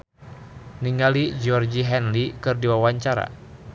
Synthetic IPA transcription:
niŋɡalid͡ʒɔrd͡ʒiɦɛnlikɨrdiwawaɲt͡ʃaɾa̰

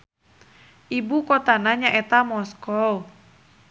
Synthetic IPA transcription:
ʔibukɔt̪anaɲaʔɛt̪amɔskɔu

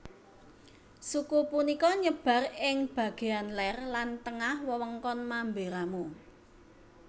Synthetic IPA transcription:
sukupunikɔɲəb̥ä̤rɪŋb̥ä̤ɡ̥e̤anlɛrlant̪əŋahwəwəŋkɔnmambeɾamu

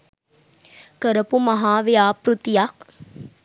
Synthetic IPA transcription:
kəɾəpumɐɦaːʋejaːpɾut̪ijak

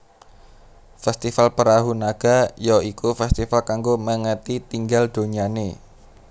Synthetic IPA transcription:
fɛst̪ifalpəɾaɦunaɡ̥a̤jɔikufɛst̪ifalkaŋɡoməŋət̪it̪iŋɡald̪̥o̤ɲane

